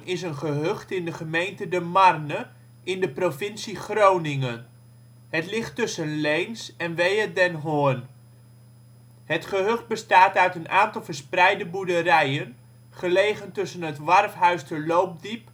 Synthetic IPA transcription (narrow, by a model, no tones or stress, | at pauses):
nʔɪsənχəɦɵχtɪndəχəmejntədəmɑrnə | ʔɪndəprofɪnsiχrownɪŋən | ɦətlɪχtːɵsənlejnsɛnʋejədɛnɦoən | ɦətχəɦɵχt̚bəstaːtœɥtənaːntɑlˠvəɹsprɛjdəbudəɾɛjən | χəlejχəntɵsənɦətʋɑrfɦœɥstəlowp̚dip̚